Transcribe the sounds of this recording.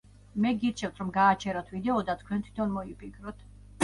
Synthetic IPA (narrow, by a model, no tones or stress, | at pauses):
mɛɡit̪t͡ʃʰɛvt̪ʰɾɔmɡaːt͡ʃʰɛɾat̪ʰvid̪ɛɔd̪at̪ʰkʰwɛnt̪ʰwi̥t̪ʰɔnmɔipʰʼikʰɾɔt̪ʰ